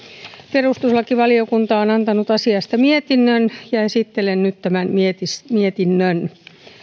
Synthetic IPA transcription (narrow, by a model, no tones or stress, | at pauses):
perust̪uslɑkiʋɑliokunt̪ɑonɑnt̪ɑnut̪ɑsiɑst̪ɑmiet̪inːønjɑesit̪ːelennyt̪t̪æmænmiet̪ismiet̪inːøn